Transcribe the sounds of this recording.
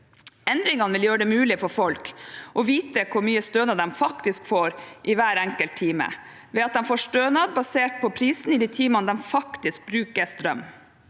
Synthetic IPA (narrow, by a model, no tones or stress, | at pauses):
ɛnd̪ɾɪŋɑnʋɪljøːɾəɖɛmʉːlɪfɔɾfɔlkʔɔʋiːt̪əkʰʊɾmyːəst̪øːnɑd̪d̪ɛmfɑkt̪ɪskfoːɾʔɪʋæːɾæŋkəlt̪ʰːiːmə̰ | ʋɛɑt̪̚d̪ɛnfoːʂʈ̪øːnɑd̪bɑseːʈ̚pʰɔpʰɾiːsn̩ɪd̪iːt̪ʰiːmɑnəd̪ɛnfɑkt̪ɪsk̚bɾʉːkəst̪ɾœ̰m